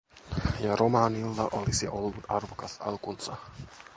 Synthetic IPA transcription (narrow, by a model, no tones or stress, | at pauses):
jɑrʔomɑːnilːɑʔolisiʔo̞lːut̪ɑrʋokɑsɑ̰lkunsɑ